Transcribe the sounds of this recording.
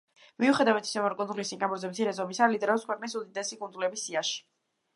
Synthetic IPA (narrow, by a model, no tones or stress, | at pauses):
miuχɛd̪avat̪ʰi̥sɛmɔɾkʼunzulisiŋkʼabuɾzɛbt̪ʰiɾɛzɔmisalid̪ɛɾɔpskʰwɛqʼnisud̪id̪ɛsikʼund̪zulɛbisːiaʃi̥